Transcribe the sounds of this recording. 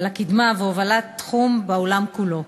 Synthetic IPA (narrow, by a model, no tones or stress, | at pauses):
lakid̪maveovalat̪ːχumbaolamkulo̞